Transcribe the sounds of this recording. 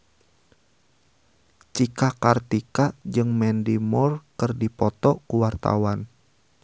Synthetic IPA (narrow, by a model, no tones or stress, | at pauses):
t͡ʃikakart̪ikad͡ʒɨŋmɛndimɔrkɨrdipɔt̪ɔkuwart̪a̰wan